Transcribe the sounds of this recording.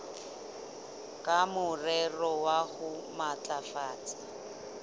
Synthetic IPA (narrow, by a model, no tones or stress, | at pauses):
kʼamʊrɛrɔwahʊmat͡ɬʼafaːt͡sʼa